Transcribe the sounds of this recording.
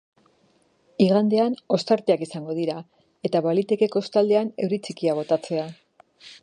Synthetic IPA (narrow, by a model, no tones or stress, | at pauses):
iɣand̪e̞ano̞st̪aɾt̪eakisaŋɡo̞ð̞iɾa | e̞t̪aβalit̪e̞ke̞ko̞st̪ald̪e̞ane̞wɾit͡sikiaβ̞o̞t̪at͡se̞a